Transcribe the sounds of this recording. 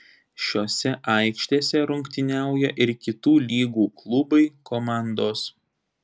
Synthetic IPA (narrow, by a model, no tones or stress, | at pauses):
ʃʲoːsʲɛʔɐɪkʃʲt̪ʲeːsʲɛɾʊŋʲkt̪ʲɪnʲæˑʊjɛʔɪɾkʲɪt̪uːlʲiːɡuːklˠʊbɐɪkoːmɑˑnd̪oːs